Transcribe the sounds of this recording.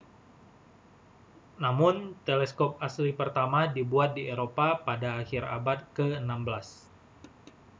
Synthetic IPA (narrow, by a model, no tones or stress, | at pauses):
namʊnt̪elɛskɔp̚aslipərt̪amadibuat̪̚dieɾopapadaːxiɾa̰bat̪̚kəənambəlas